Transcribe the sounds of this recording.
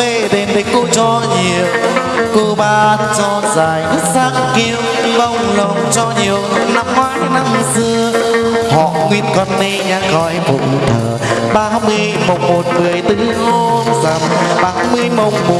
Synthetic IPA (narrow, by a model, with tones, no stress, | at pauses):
e˧˩ɗe˨˩nɗe˨˧˦ko˧t͡ɕɔ˧ɲi˨˩ə˨w | ko˧ɓaː˧nt͡ɕɔ˧zaː˨˩jt̪ɨ˦˥t̚saː˧˥ŋki˧əwlə˧wŋ͡mlo˨˩ŋ͡mt͡ɕɔ˧ɲi˨˩əwna˧mhaː˧˦jna˧msɨ˧əhɔ̰˧˨ŋwi˧ənkɔ˧nt̪i˧ɲaː˧kɔ˧˦jvo̰˨˧˩ŋ͡mt̪ʰəː˨˩ɓaː˧hmɨ˧əjmo˨˩wŋ͡mmo˨˩t̚mɨ˨˩əjt̪ɨ˧˥ho˧nza˨˩mɓaː˧˩hmɨ˧əjmə˨˩wŋ͡mɓo˨˩